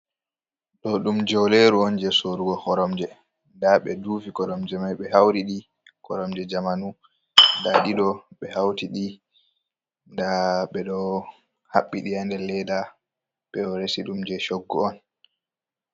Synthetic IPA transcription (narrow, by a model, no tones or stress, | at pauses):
ɗɔɗumd͡ʒɔwleɾuɔnd͡ʒɛsoɾuɡɔhɔɾɔmd͡ʒɛ | ndaɓɛ̰duːvikɔɾɔmd͡ʒɛmajɓɛhawɾiɗi | kɔɾɔmd͡ʒɛd͡ʒamanu | daɗiɗɔɓɛhawtiɗi | ndaɓɛɗɔ | haɓːiɗiandɛlɛda | ɓɛɔɾesiɗumd͡ʒɛʃoɡːɔɔn